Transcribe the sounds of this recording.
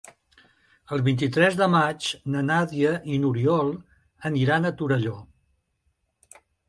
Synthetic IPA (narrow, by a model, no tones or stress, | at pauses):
əlˠβint̪it̪ɾɛzðəmat͡ʃnənaðiəʔinuɾiɔlˠ | əniɾanət̪uɾəʎo